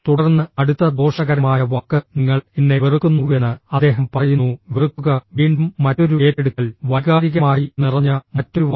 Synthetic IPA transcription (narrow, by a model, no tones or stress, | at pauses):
t̪uɽɐrnːɨɐɽut̪ːɐd̪o̞ːʂɐɣɐɾɐmaːjɐʋɐkːɨniŋːɐɭinːeʋirɨkːunːuenːɨɐd̪ːe̞ːɦɐmpɐrɐjunːuʋirɨkːuɣɐʋiːɳɖumːɐtːo̞ɾueːtːeɽukːɐlʋɐɣaːɾiɣɐmaːjinirɐɲːɐmɐtːoɾuʋɐ